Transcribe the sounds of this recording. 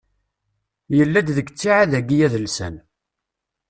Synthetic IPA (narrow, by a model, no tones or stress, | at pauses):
jəlːæd̪ðəɡt͡sːiʕaðæɡijæðəlsæ̰n